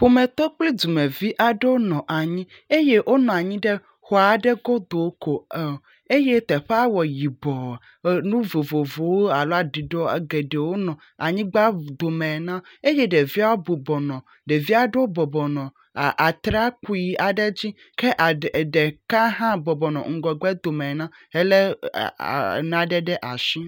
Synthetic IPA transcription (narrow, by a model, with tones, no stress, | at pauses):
ɸo˨mɛ̃˨t̪ɔ˦k͡pli˦d̪u˨mẽ˨vi˦ʔa˨ɖɛ˦wo˦nɔ̃˨ʔa˨ɲĩ˦ | e˦je˦ʔo˦nɔ̃˨a˨ɲĩ˦ɖɛ˦ | xɔ˨a˨ɖɛ˦ɡo˦d̪o˨wo˦ko˨ɛ˨ | e˦je˦t̪ɛ˨ɸɛ˦a˦wɔ˨ji˨bɔ˨˦ | nũ˦vo˨vo˨vo˨wo˦a˨lɔ˦a˨ɖi˨ɖɔ˦ɡɛ˨ɖe˨wo˦nɔ̃˨ | a˨ɲĩ˦ɡ͡ba˦d̪o˨mɛ̃˨nã˦e˦jɛ˦ɖe˨vi˦a˦wo˦bo˨bɔ˨nɔ̃˨ | ɖe˨vi˦a˦ɖe˦o˦bɔ˨bɔ˨nɔ̃˨ | ʔa˨t̪ɾa˦ku˦i˨a˨ɖɛ˦d͡ʑĩ˦ | kɛ˦ʔa˨ɖe˨ka˦ɦã˦bɔ˨bɔ˨nɔ̰̃˨ŋ̩˨ɡɔ˨ɡ͡bɛ˦d̪o˨mɛ˨nã˦e˦lɛ̰˦˨ | nã˨ɖɛ˦ɖɛ˦ʔa˨ʃĩ˦